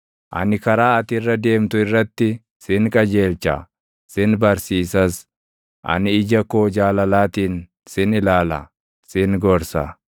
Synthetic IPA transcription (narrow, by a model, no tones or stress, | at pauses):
ʔɐ̰nɪkɐɾaːɐt̪ɪrːɐd̪e̞ːmt̪ʊɪrːɐt̪ːɪ | sɪŋkʼɐd͡ʒe̞ːlt͡ʃɐ̰ | sɪnbɐɾsiːsɐs | ʔɐ̰nɪɪd͡ʒɐkoːd͡ʒaːlɐlaːt̪iːn | sɪnɪlaːlɐ̰ | sɪnɡɔɾsɐ̰